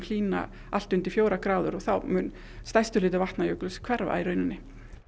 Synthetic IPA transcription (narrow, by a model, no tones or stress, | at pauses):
kʰl̥iːna̰ | al̥t̪ʏnt̪ɪfjoːwɾakɾaːwðʏɾɔɣθawmʏn | st̪ajst̪ʏlɪːt̪ʏvaht̪najœklʏskʰv̥ɛɾva̰iɾʏɥnːɪ